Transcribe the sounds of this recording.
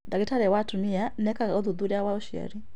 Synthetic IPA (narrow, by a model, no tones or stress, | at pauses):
daɡɛtaɾɛwatumianɛkaɔðuðuɾiawaɔʃia̰ɾi